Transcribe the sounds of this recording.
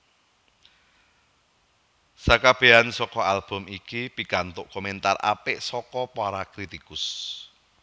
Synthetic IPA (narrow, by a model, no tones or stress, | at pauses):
sakab̥e̤ansɔkɔalb̥ʊ̤mikipikant̪ʊʔkoment̪ara̰pɪʔsɔkɔpaɾakɾit̪ikʊs